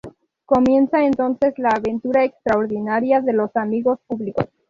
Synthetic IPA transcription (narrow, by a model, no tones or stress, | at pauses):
ko̞mje̞nsae̞nt̪o̞nse̞zlaːβe̞nt̪uɾaekst̪ɾao̞ɾðinaɾjaðe̞lo̞samiɣo̞spuβliko̞s